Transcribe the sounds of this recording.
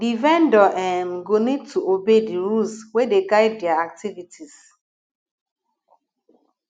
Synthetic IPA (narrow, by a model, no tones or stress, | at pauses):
divɛ̃ndɔʔɛmɡonid̚tʰuobediɹulswedeɡaɪd̚ːɛaak̚tivitʰis